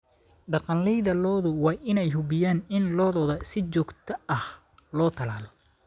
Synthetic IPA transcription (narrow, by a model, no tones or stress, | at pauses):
ɖɑqɑnlɛjðɐlɔːðʊwɑːʔɪnɛjɦʊbɪjaːnɪnlɔːðɔːðɐsɪt͡ʃɔːɡt̪ʰɐɐh | lɔːt̪ʰɐlaːlɔ